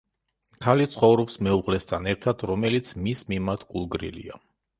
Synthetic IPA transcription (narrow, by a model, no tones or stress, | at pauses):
kʰalit̪sʰχɔvɾɔpsmɛuʁlɛst̪ʰanɛɾt̪ʰad̪ʰɾɔmɛlit̪sʰmismimaɾt̪ʰkʼulˠɡɾḭlḭa̰